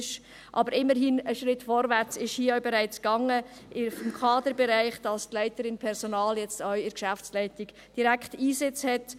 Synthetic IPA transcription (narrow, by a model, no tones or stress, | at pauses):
ʃ | ʔɑbəɾɪmːəɾɦinəʃɾɪtːfɔːɾvæɾt͡sɪʃhiəœʊbɛʁæɪt͡sɡ̥ɑŋəʔɪfɔmkʰɑːd̪əɾbɛɾæɪχd̥ɑstlæɪtəɾɪnpʰɛɾzɔnɑːljɛt͡stœɥɪɾkʃæft͡slɛɪtɪɡ̥ | d̥iɾækʰtiːzɪt͡shɛt